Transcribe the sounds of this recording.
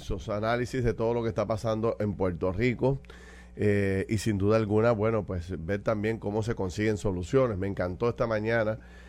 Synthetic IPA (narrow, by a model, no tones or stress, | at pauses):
sosanalisizðe̞t̪o̞ð̞olo̞kest̪apasand̪o̞ʔe̞mpwe̞ɾt̪o̞riko̞ | eisind̪uðalɡunaβwe̞no̞pwe̞sbe̞ɾt̪ambje̞ŋko̞mo̞s̬e̞ko̞nsiɣe̞ŋso̞lusjo̞ne̞sme̞ŋkant̪o̞e̞st̪amãɲãna